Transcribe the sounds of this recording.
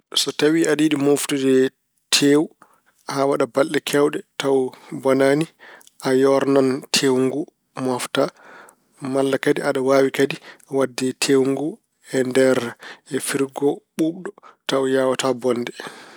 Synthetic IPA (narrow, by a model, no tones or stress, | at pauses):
sɔtawiaɗiːɗimoftudɛ | tʰeːwu | hawaɗabalɗɛkʰɛwɗɛtawbɔnaːni | ʔajɔɾnantʰewŋɡu | mɔfta | malːakadiaɗawaːwikadiawadːitʰewŋɡu | ɛndɛɾɛfiɾɡɔɓuɓɗɔtawjawatabɔnːdɛ